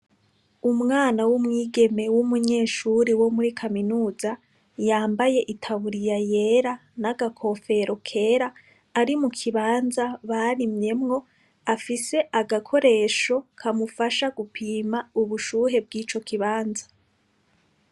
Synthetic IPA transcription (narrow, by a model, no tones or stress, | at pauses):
umŋaːnawumŋiːɡe̞me̞wumuɲe̞ːʃuɾiwo̞muɾikʰaminuːza | jaːmbaje̞ʔitʰaβuɾijaje̞ːɾanaɡakʰo̞ːfe̞ɾo̞kʰe̞ːɾaː | ɾimukʰiβaːnzaβaɾimɲe̞mŋo̞ | afise̞ʔaɡakʰo̞ɾe̞ːʃo̞kʰamufaʃaɡupʰiːmauβuʃuɦe̞b̚ɡiːt͡ʃo̞kʰiβaːnzḁ